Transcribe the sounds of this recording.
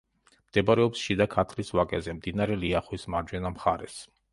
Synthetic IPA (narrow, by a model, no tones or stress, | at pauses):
md̪̥ɛbaɾɛɔpsʃid̪akʰat̪ʰlisvakʼɛzɛmd̪inaɾɛliaχwismaɾd͡ʒwɛnamχaɾɛ̰s